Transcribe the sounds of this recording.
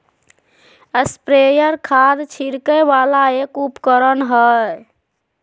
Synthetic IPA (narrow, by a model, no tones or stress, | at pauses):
əspɾejəɾkʰad̪t͡ʃʰiɾkəbalaekupkəɾənɦə